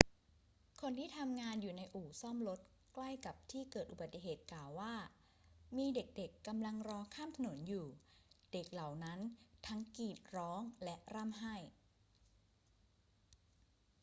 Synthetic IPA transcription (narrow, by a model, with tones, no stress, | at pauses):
kʰo˧nt̪ʰiː˥˩t̪ʰa˧mŋaː˧njuː˨˩na˧jʔuː˨˩sɔ˥˩mlo˦˥t̪̚ | kla˥˩jka˨˩p̚t̪ʰiː˥˩kɤː˨˩t̪̚ʔu˨˩ba˨˩t̪ːi˨ɦheː˨˩t̪̚klaː˨˩wːaː˥˩ | miː˧de˨˩k̚de˨˩kːa˧mla˧ŋɾɔː˧kʰaː˥˩mt̪ʰa˧no˩˦njuː˨˩de˨˩k̚la˨˩wna˦˥nt̪ʰa˦˥ŋkiː˨˩t̪̚ɾɔː˦˥ŋlɛ˦˥ʔɾa˥˩mɦa˥˩j